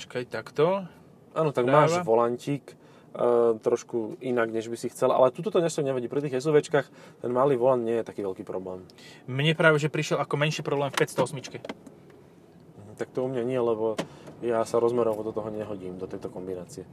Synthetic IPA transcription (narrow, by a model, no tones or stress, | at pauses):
t͡ʃkajt̪akt̪ɔ | ʔaːnɔt̪aɡmaːʋɔlaɲciːkː | t̪ɾɔʃkuinaɡɲɛʒbisixt͡sɛlʔa̰lɛt̪ut̪ɔt̪ɔɲɛsɔɲɛɦɛɟiːpɾit̪̬iːɣɛzuʋɛt͡ʃkaxt̪ɛnmaːliːʋɔland̪ɲɪɛjɛt̪akiːʋɛlkiːpɾɔblɛːm | mɲɛpɾaːʋɛʒɛpɾiʃɪɛlakɔmɛnʃiːpɾɔblɛːmfpɛst̪ɔɔsmit͡ʃkɛ | ɦ̩t̪ak̚t̪ɔumɲaɲɪɛlɛbɔjasaɾɔzmɛɾɔʊɔd̪ɔt̪ɔɦɔɲɛɦɔɟiːmd̪ɔt̪ɛjt̪ɔkɔmbinaːt͡siɛ